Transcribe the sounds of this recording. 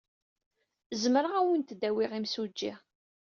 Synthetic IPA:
zməɾəʁæwənt̪d̪æwɪʁimsud͡ʒːiʁ

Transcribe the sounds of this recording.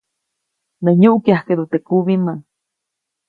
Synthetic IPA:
neɲuʔkjahked̪ut̪ekuβimaŋ

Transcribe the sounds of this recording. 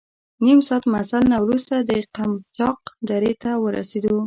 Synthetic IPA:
nimsɑt̪masalnawɾust̪ad̪əqamt͡ʃɑq̚d̪aɾet̪awəɾa̰sed̪u

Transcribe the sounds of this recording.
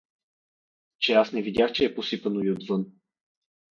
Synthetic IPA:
t͡ʃɛasnɛvid̪ʲjaxt͡ʃɛːposipənoviod̪vɤn

